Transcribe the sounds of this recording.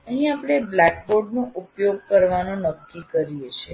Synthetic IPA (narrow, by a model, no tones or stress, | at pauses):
əɦĩapɽ̃eblɛk̚boɖnõʔupjoɡ̚kəɾʋanonəkːikəɾijet͡ʃʰe